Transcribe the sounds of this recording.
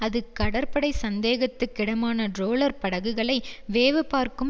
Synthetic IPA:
ɐðɯkːɐɽɐɾpɐɽɐɪsɐnd̪eːɣɐt̪ːɯkːɪɽɐmaːnɐɖɾoːlɐɾpɐɽɐɣɯɣɐɭɐɪʋeːʋɯpaːɾkɯm

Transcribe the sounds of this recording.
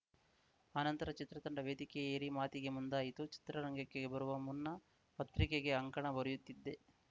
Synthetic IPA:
aːnɐnt̪ɐɾɐt͡ʃit̪ɾɐt̪ɐɳɖɐʋeːd̪ikɛjɐjɐɾimaːt̪iɡe̞mund̪aːjit̪ut͡ʃi̥t̪ɾɐɾɐŋɡɐkːeɡe̞bɐɾuʋɐmunːɐ | pɐt̪ːɾikeɡe̞ɐŋkɐɳɐbɐɾujut̪ːid̪ːe̞

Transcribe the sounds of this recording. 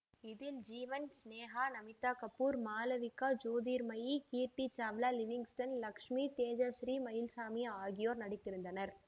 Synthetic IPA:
ɪðɪld͡ʒiːʋɐnsneːɦaːnɐmɪt̪ːaːkɐpːuːɾmaːlɐʋɪkːaːd͡ʒoːðiːɾmɐjikiːɾʈit͡ʃaːʋlaːlɪʋɪŋɡsʈɐnlɐkʂmiːt̪eːd͡ʒɐʃɾiːmɐjɪlsaːmɪjɐaːɣɪjoːɾnɐɽɪt̪ːɪɾɯnd̪ɐnɐɾ

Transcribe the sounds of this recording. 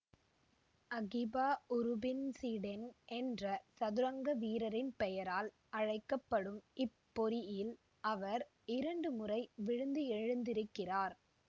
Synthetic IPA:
ɐɣɪbaːʊɾʊbɪnsiːɽɛnʔɛndrɐsɐðɯɾɐŋɡɐʋiːɾɐɾɪnpɛjɐɾaːl | ɐɻɐɪkːɐpːɐɽɯmɪpːɔɾɪjɪl | ʔɐʋɐɾ | ɪɾɐɳɖɯmʊrɐɪʋɪɻɯnd̪ɯɛɻɯnd̪ɪɾɯkːɪraːɾ

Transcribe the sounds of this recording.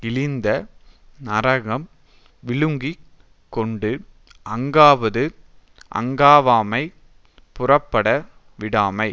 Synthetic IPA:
ɪlɪnd̪ɐnɐɾɐɣɐm | ʋɪɭɯŋɡi | kːɔɳɖɯ | ɐŋɡaːʋɐðɯ | ʔɐ̰ŋɡaːʋaːmɐɪ | pʊrɐpːɐɽɐ | ʋɪɽaːmɐɪ

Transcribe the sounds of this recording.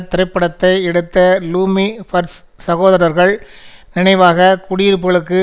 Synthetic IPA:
t̪ːɐɾɪpːɐɽɐt̪ːɐɪɛɽɯt̪ːɐluːmifɐɾs | sɐɣoːðɐɾɐɾɣɐɭ | nɪnɐɪʋaːɣɐkʊɽijɪɾɯp̬ːɯɣɐɭɯkːɯ

